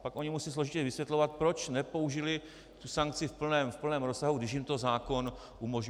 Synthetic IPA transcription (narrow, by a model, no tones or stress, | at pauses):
pakʔo̞ɲɪmusiːslo̞ʒɪcɛvɪsvjɛt̪lo̞vat̪̚pɾo̞t͡ʃnɛpo̞uʒɪlɪ | t̪usaŋk̚t͡sɪfpl̩nɛːmfpl̩nɛːmɾosaɦuɡdɪʃjɪmt̪o̞zaːko̞n | ʔumo̞ʒɲ